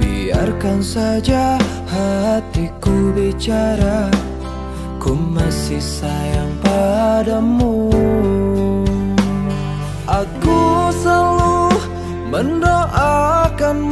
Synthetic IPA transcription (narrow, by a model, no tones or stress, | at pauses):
bḭa̰rkansad͡ʒa | hat̪ikubit͡ʃaɾa | kumasɪhsajaŋpadamu | ʔakusəluh | məndoʔakan